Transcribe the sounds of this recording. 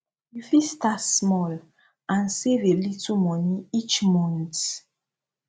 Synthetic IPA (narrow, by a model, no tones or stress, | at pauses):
jufistasmɔl | ãnsevelitumɔniit͡ʃmɔ̃nt